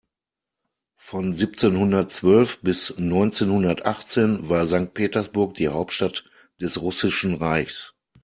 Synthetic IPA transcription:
fɔnzip̚t͡seːnhʊndɐtt͡sv̥œlfb̥ɪsnɔʏnt͡seːnhʊndɐtʔaχt͡seːnvaːɐzaŋk̚t̚pʰeːtɐsb̥ʊɐkd̥iːhaʊp̚tʃtat | d̥ɛsʁʊsɪʃn̩ʁaɪçs

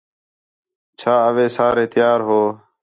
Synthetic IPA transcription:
t͡ʃʰaːəʋeːsaːɾeːt̪ɪjaːɾɦoː

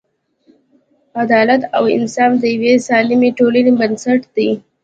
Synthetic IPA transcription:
ad̪ɑlat̪a̰wɪ̰nsɑfd̪əjawesɑlɪmeʈolənibənsaʈd̪i

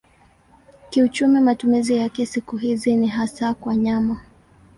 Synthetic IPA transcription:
kiut͡ʃumimatumizijakɛsikuɦiziniɦasakwaɲama

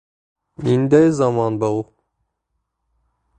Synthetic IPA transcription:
nind̪æjzɑmɑnbɑu

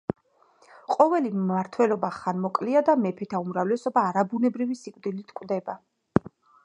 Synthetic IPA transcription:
qʼɔvɛliaɾt̪ʰwɛlɔbaχanmɔkʼliad̪amɛpʰɛt̪ʰaumɾavlɛsɔbaːɾabunɛbɾivisikʼvd̪ilit̪ʰkʼwd̪ɛba

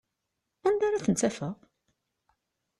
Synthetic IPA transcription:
ænd̪aɾaθənt͡s̪ːæfəʁ

